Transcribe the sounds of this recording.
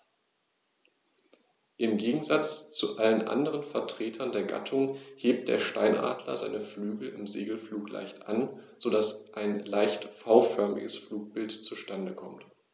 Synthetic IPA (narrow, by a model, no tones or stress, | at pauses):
ʔɪmɡeːɡŋ̩zat͡st͡suʔalənʔa̰ndəʁ̞ənfɛɐtʁ̥eːtʰɐndeːɐɡa̰tʰʊŋheːp̚t̚d̥ḛːɐʃtaɪnʔa̰ːdlɐ̰za̰ɪnəflyːɡl̩ɪmzeːɡl̩fluːklʔa̰ɪçtʔa̰nz̥odasʔaɪnlaɪçtfaʊfœɐmɪ̰ɡəsfluːk̚b̥ɪltt͡suʃtandəkʰɔmt